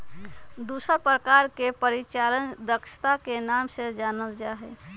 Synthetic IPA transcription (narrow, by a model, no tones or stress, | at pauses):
d̪usəɾpɾəkaɾkepəɾit͡ʃalənd̪əkʃʰə̥t̪akenamsed͡ʒanəld͡ʒaɦɛ